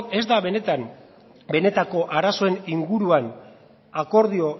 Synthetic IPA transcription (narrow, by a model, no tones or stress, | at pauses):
e̞zd̪aβe̞ne̞t̪am | be̞ne̞t̪ako̞ʔaɾaso̞e̞niŋɡuɾuan | ako̞ɾð̞io̞